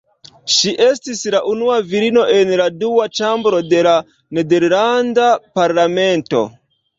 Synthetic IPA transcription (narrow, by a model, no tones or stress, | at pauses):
ʃiʔe̞stislaʔunuaviɾino̞ʔe̞nladuwat͡ʃambɾo̞de̞la | ne̞de̞ɾlandapaɾlame̞nto̞̰